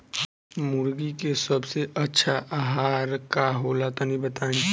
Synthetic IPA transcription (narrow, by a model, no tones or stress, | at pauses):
mʊɾɡikesɐbseʔɐtːʃʰaʔaɦaːɾkaɦoːlat̪onĩbɐt̪aːẽ